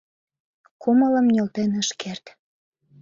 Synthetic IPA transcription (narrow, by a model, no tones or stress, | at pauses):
kʰumələ̆mnʲølt̪enəʃkert̪